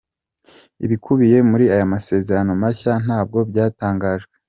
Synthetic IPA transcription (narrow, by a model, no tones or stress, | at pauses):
ḭβikʰuβije̞muɾiajamase̞ːze̞ɾano̞maçan̥aːb̚ɡo̞bɟaːtaːŋɡaːʒɡe